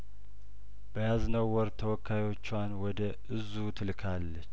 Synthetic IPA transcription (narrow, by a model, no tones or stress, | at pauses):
bəjaznəwːɔɾt̪ʰəwɔkʰːajwot͡ʃːanwɔd̪əʔɨzut̪ʰɨlkʰalːət͡ʃː